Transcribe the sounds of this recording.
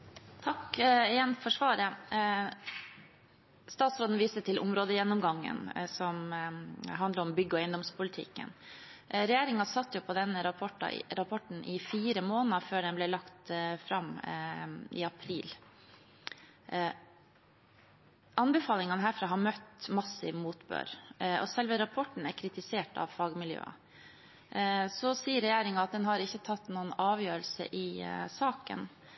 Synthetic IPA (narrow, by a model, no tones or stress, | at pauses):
t̪ʰɑkɪjɛnfɔʂʋɑːɾə | st̪ɑːt̪sɾoːd̪n̩ʋiːst̪ət̪ʰɪlʔʊ̰mɾoːd̪əjɛnːɔmɡɑŋːə̰nsɔm | ɦɑnd̪ləɾɔmbʏɡːəɔæɪnd̪ɔmspʰʊlɪt̪ʰɪ̰kːə̰nɾɛjeːɾɪŋɑsɑt̪ːjʊpʰɔd̪ɛnːəɾɑpʰɔʈɑ̰ɾɑpʰɔʈn̩ʔɪfiːɾəmoːnəføːɖɛnblɛːlɑkt̪fɾɑm | ɪ̰ɑpʰɾiːl | ʔɑnbɛfɑːlɪŋɑnəɦæːɾfɾɑːɦɑɾmœt̪mɑsɪ̰ʋmuːt̪bø̰ːɾɔsɛlʋəɾɑpʰɔʈːɳ̩æɾkʰɾɪt̪ɪseːʈɑ̰ʋfɑːɡmɪljø̰ːɑ̰ | sɔsiːəɾɛjeːɾɪŋɑɑt̪̚d̪ɛnɦɑɾɪçːət̪ʰɑt̪ːnuːənɑːʋjøːɾəlsə̰ʔɪsɑːkə̰n